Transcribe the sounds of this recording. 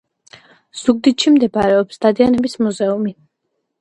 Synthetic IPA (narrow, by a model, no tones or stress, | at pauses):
z̥uɡ̚d̪it̪ʃimd̪ɛbaɾɛɔpsd̪̥ad̪ianɛbismuzɛumi